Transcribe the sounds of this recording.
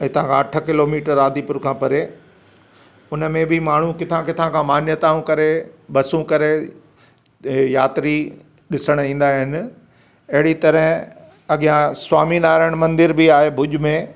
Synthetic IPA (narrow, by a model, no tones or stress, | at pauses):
ɐ̃t̪ɐʋ̤ãkʰãɐʈʰə̆kɪloːmiːʈəɾaːd̪ipʊɾkʰãːpɐɾe | ʊnə̆mẽbɪmaːɳ̤ũkɪt̪ʰãkɪt̪ʰãkʰãmaːnjət̪aːũkɐɾebɐsũkɐɾe | jaːt̪ɾi | ɗɪsəɽ̃ĩːn̆d̪aːɦɪnɪ̆ | ɐɦɪɽit̪ɐɾəɦ | ɐɠijãswaːminaːɾəɽ̃mɐ̃nd̪ɪɾbiaːɦebʱʊʄʊmẽ